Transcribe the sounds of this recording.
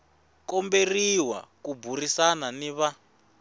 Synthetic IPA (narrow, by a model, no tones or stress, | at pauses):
kɔmberiwa̰kuburisananiβa